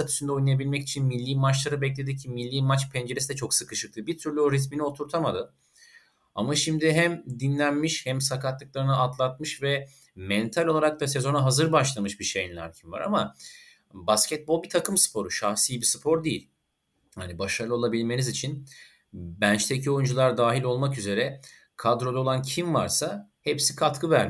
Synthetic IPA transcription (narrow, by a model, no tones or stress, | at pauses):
at̪ʰy̥synd̪ɛojnajabilʲmɛcit͡ʃʰinmilʲːiːmat͡ʃlˠaɾɯbɛc̬lʲe̞d̪icʰimilʲːiːmat͡ʃpʰɛnd͡ʒe̞ɾesid̪ɛt͡ʃʰo̞ksɯkɯʃɯk̚lˠɯbiɾt̪ʰyɾlʲyoɾit̪̬minio̞t̪ʰuɾt̪ʰamad̪ɯ | amaʃimd̪ɪɦɛmd̪inlʲænmiʃhɛmsakʰat̪lˠɯklˠaɾɯnɯat̪lˠat̪̚mɯʃvɛ | mɛnt̪ʰalʲoaɾak̚t̪ʰasezo̞naɦazɯɾbaʃlˠamɯʃbiʃejinlʲa̰ɾcʰinva̰ɾama | bascʲɛt̪̚bo̞lˠbit̪ʰakɯmsɯ̥pʰo̞ɾuʃaxsijbisɯ̥pʰo̞ɾd̪ejḭlʲ | hanibaʃaɾlˠɯo̞lˠabilʲme̞nizit͡ʃʰin | bænt͡ʃt̪ʰecʰio̞jund͡ʒulˠaɾd̪aːɦilʲo̞lˠmakyze̞ɾɛ | kʰad̪ɾo̞d̪aolˠancʰimva̰ɾsa | hepsi̥kʰat̪kʰɯbæɾm